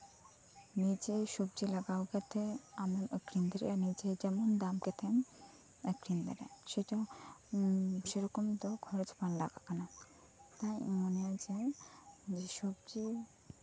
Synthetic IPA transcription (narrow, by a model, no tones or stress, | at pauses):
nid͡ʑeʃob̚d͡ʒilaɡaoket̪ʰeamemkɾind̪eɾḛanid͡ʑed͡ʒɛmond̪amket̪ʰem | ekɾind̪ḛɾḛʃeʈa | ʃeɾɔkomd̪ɔkʰɔɾed͡ʑpanla̰ɡakana | t̪ajmonead͡ʑe | d͡ʑeʃobd͡ʒi